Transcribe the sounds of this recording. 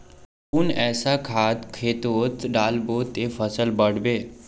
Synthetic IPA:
ʊnɛːsakʰaːt̪kʰeːt̪oːt̪ɖaːlboːt̪efʰəsəlbəɽ̤beː

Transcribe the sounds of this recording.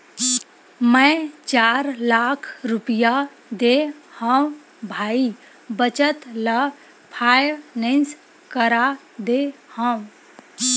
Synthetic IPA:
mə̃t͡ʃaɾlakʰɾupija | d̪ehə̃ũ | bʱai | bət͡ʃət̪lə | pʰajnẽns | kəɾa | d̪ehə̃w̃

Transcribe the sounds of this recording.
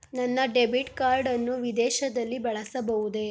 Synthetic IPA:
nɐnːɐɖebiʈkaːɾɖɐnːuʋid̪ɛːʃɐd̪ɐlːibɐɭɐsɐbɐʋud̪e̞

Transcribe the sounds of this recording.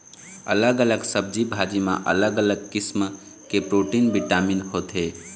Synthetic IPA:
ə̰ləɡələɡsəb̚d͡ʒibʱad͡ʒimã̰ʔə̰ləɡələɡkism | kepɾoʈinbiʈaminhot̪ʰe

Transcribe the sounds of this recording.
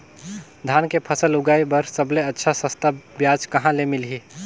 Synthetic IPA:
d̪ʱaːnkepʰəsəlʊɡaːjbəɾsəbleətːʃʰasə̃st̪ʰabjaːd͡ʒkɐɦãlemɪlɦiː

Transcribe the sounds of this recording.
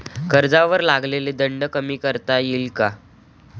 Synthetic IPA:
kəɾd͡zaʋəɾlaɡleled̪əɳɖəkəmiːkəɾt̪ajilka

